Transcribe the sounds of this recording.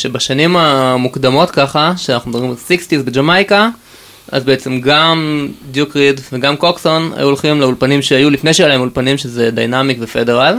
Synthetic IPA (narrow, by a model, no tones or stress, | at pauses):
ʃebaʃanimamukd̪amo̞tkaχaʃeanaχnud̪omʁimalsikstizbed͡ʒamajka | a̰zbeet͡se̞mɡamdjukʁidveɡamkoksona̰juolχimleulpanimʃeajulifne̞jʃ̬ejelaemulpanimʃezed̪ajnamikvefedeʁal